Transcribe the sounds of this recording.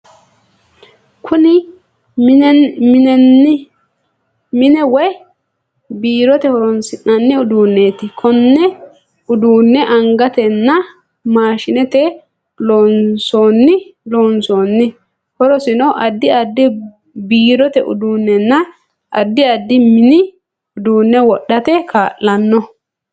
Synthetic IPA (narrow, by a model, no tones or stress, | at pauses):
kʰʊnɪ | mɪnɛnːɪ | mɪnɛwɔj | biːɾɔt̪ɛhɔɾɔnsɪnɐnːɪʊd̪uːnːe̞ːt̪ɪkʰɔnːɛ | ʊd̪uːnːɛʔɐŋɡɐt̪ɛnːɐ | maːʃɪnɛt̪ɛ | loːnso̞ːnːɪloːnsoːnːɪ | hɔɾɔsɪnɔʔɐd̪ːɪɐd̪ːɪ | biːɾɔt̪ɛʔʊ̰d̪uːnːɛnːɐ | ʔɐ̰d̪ːɪɐd̪ːɪmɪnɪ | ʊd̪uːnːɛwɔɗːɐt̪ɛkʰaːʔːɐnːɔ